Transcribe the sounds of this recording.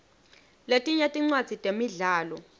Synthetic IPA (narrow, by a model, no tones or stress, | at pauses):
letʼiɲetʼiŋ͡ǀwḁd͡z̥ʱitʼemiɮaːlɔ